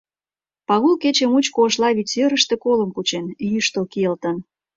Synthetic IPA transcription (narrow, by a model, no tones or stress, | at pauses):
pɑɣulket͡ɕemut͡ɕkoːʃlɑβit͡søɾə̆ʃt̪ĕkolə̆mput͡ɕenjyʃt̪əlkijəlt̪ə̆n